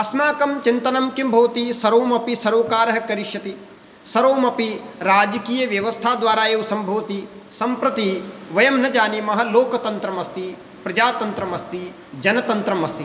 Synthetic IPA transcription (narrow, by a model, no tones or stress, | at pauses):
ɐsmaːkɐmt͡ʃint̪ɐnɐmkimbʱɐːt̪isɐɾoːmɐpisɐɾoːkaːɾɦɐkɐɾiʃjɐt̪i | sɐɾoːmɐpiɾaːd͡ʒɐkiːjɐʋjɐʋɐst̪ʰaːd̪ʋaːɾaːjewusɐmbʱɐːt̪i | sɐmpɾɐt̪iʋɐjɐmnɐd͡ʒaːnimɐɦɐ̆loːkɐt̪ɐnt̪ɾɐmɐst̪i | pɾɐd͡ʒaːt̪ɐnt̪ɾɐmɐst̪i | d͡ʒɐnɐt̪ɐnt̪ɾɐmɐst̪i